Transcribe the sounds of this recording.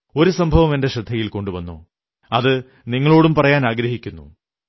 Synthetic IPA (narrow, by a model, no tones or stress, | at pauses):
o̞ɾusɐmbʱɐʋɐme̞nde̞ɕɐd̪ʱːɐjilko̞ɳɖuʋɐnːo̰ː | ɐðɨ | niŋːɐɭo̞ːɽumpɐrɐjaːnaːɡɾɐɦikʲːunːṵ